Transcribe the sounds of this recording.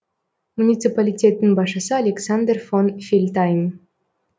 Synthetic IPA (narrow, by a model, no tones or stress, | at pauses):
munʲɪt̪sɨpalʲitʲe̞t̪ːinbɑʃəsəalʲeksand̪rfonfʲilʲt̪ajm